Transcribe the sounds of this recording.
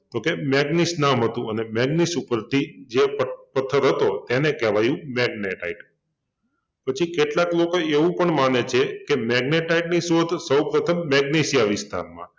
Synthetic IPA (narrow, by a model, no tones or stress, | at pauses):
t̪okemɛɡnisnamɦət̪ũənemɛɡnisupəɾt̪ʰid͡ʒeppət̪ʰːəɾɦət̪ot̪ɛnekɛʋajũmɛɡ̚neʈa̰iʈ | pət͡ʃʰikeʈlaklokoeʋũpəɳmanet͡ʃʰekemɛɡneʈaiʈnisod̪ʱsəwpɾət̪ʰəmːɛɡnesijaʋɪst̪ʰa̰ɾmã̰